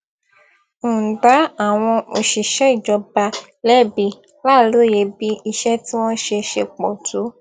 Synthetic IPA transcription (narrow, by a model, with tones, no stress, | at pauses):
da˨˦a˨w̃ɔ̃˧o˧ʃi˨ʃɛ˨˦i˦˨d͡ʒɔ˧ba˧ | lɛ˦˨bi˧˦ | la˦˨lo˨˦˨je˨˧bi˦i˧ʃɛ˦ti˦w̃ɔ̃˦ʃe˧ʃe˧k͡pɔ˨tʰu˨˦